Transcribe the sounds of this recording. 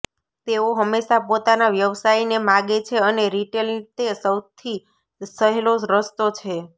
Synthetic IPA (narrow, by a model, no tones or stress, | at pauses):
t̪eoɦəmːeʃapot̪anaʋjəʋsainemãɡet͡ʃʰeəneɾiʈelt̪esəwt̪ʰi | səɦeloɾəst̪ot͡ʃʰe